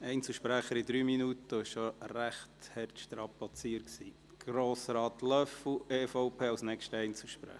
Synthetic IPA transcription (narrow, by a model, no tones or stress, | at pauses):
ɛɪnt͡səʃpɾæχəɾid̪ɾyːminut̪əɪʃʃoræχt̪hɛrtʃtɾɑpɑt͡siːəɾksḭː | ɡ̥ɾoːsɾɑːt̪lœfl̩eːfɔʊpʰeːɑʊsnɛkʃtəɛɪnt͡sl̩ʃpɾæ̰